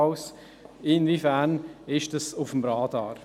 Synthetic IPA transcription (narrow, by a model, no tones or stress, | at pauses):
ʊs | ɪnvifæːɾnɪʃtɑsʊfəmɾɑːdɑːɾ